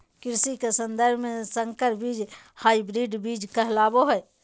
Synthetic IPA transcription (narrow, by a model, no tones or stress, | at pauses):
kɾsikesə̃nd̪əɾbʱmesəŋkəɾbid͡ʒ | haibɾiɖbid͡ʒkəɦlaboɦə